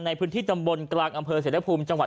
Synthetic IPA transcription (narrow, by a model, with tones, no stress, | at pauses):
na˧jpʰɯː˦˥nt̪ʰiː˥˩a˧mbo˧nklaː˧ŋʔa˧mpʰɤː˧se˩˦la˦˥pʰuː˧mt͡ɕa˧ŋwa˨˩